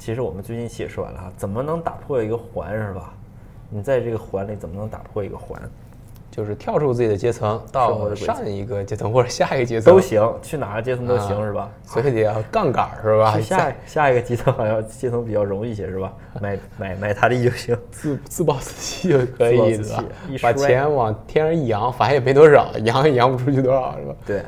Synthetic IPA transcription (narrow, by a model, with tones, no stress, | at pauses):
t͡ɕʰi˧˥ʂɻ̩˧˥wɔ˨˩mə˦nt͡swɪt͡ɕi˥˩nɕjɛ̰˨˩ʂwa̰˧˩lə̰˦a˧˩t͡sə˨˩mə˦nɤ˧˥ŋt̪a̰˨˩pʰwɔ˥˩i˧˥ɡə˧xwa̰˧˥nʂɻ̩˥˩bɐ˩ | ni˨˩t͡sa˥˧ɪʈ͡ʂɤ˥˩ɡə˩xwa˧˥nli˨˩t͡sə˨˩mə˦nɤ˧˥ŋt̪a̰˨˩pʰwɔ˥˩ḭ˧˥ɡə̰˧xwa̰˧˥n | t͡ɕjo˥˧ʊʂɻ̩˥˩t̪ʰjɑ˥˧ʊʈ͡ʂʰu˥˧t͡sɹ̩˥˩t͡ɕi˨˩ə˦t͡ɕjɛ˥t͡sʰɤ˧˥ŋt̪ɑ˥˩˥wɔ˥˩ə˧˥e˨˩a˥˩ŋi˧˥ɡə˧t͡ɕjɛ˥t͡sʰɤ˧˥ŋxwɔ˥˩ʈ͡ʂə˨˩ɕja˥˩i˧˥ɡə˩t͡ɕjɛ˥t͡sʰt̪o˧˥ɕi˧˥ŋt͡ɕʰy˥˩na˨˩ɡə˧t͡ɕjɛ˥t͡sʰɤ˧˥ŋt̪o˥ʊɕi˧˥ŋʂɻ̩˥˩bɐ˩ | swɔ˧˥i˧˩t̪ɛ˨˩jɑ˥˧ʊkɑ˥˩ŋka̰˨˩ʂɻ̩˥˩bɐ˨˩˥ɕja˥˩i˧˥ɡə˧t͡ɕi˧˥t͡sʰɤ˧˥ŋxɑ˨˩jɑ˥˧t͡ɕjɛ˥t͡sʰɤ˧˥ŋp̬i˨˩t͡ɕjɑ˥˩ʊɻʊ˧˥ŋi˥˩ɕ̬jɛ˧˩ʂɻ̩˥˩bɐ˩ | ma˧˩ɪma˨˩ɪma˨˩ɪt̪ʰa˥d̪ə˧i˥˧˩jo˥˩ʊɕi˧˥ŋt͡s̩˥˧t͡sɹ̩˥˧pɑ˥˧ʊt͡sɹ̩̥˥˩t͡ɕi̥˥˧kʰɤ˧˥ii˨˩˥a̰˧˩˥pa˨˩t͡ɕʰjɛ˧˥nwɑ˨˩ŋt̪ʰjɛ˥nə˧˥i˥˩jɑ˧˥ŋfa˧˥jɛ˨˩m˧˥t̪wɔ˥ʂɑ̰˨˩˦jɑ˧˥ŋi˥˩jɑ˧˥ŋpu˧ʈ͡ʂʰu˥t͡ɕʰy˥˧t̪wɔ̰˥˨˩ʂɻ̩˥˩ba˩t̪we˥˩